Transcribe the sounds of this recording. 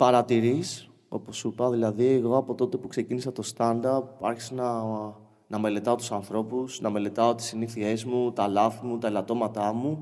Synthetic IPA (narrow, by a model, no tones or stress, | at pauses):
pɐɾɐt̪iɾis | o̞̰po̞supɐðilɐðieɣo̞ɐpo̞t̪o̞t̪e̞pukse̞cinisɐt̪o̞st̪ɐnd̪ɐpuɐ̰ɾçisenɐ | nɐme̞le̞t̪ɐo̞t̪usɐnθɾo̞pusnɐme̞le̞t̪ɐot̪isiniθie̞zmut̪ɐlɐθimut̪ɐelɐt̪o̞mɐt̪ɐmu